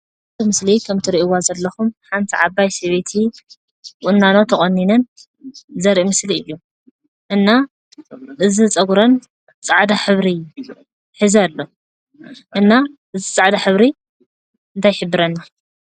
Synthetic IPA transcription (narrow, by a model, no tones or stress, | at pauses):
ɨmɨslikʰɐmt̪ʰiɾiʔwazɐlːɐxumħant̪ʰiʕaβajsɐβet̪ʰi | kʼʊnːanot̪ʰɐkʼɐnːinɐn | zɐɾʔimɨsliɨjːu | ʔɨnːa | ʔɨzit͡sʼɐɡuɾon | t͡sʼaʕd̪aħɨβɾi | ħɨzalːo | ʔɨnːaʔɨzit͡sʼaʕd̪aħɨβɾi | ɨnt̪ʰajħɨbːɨɾɐnːa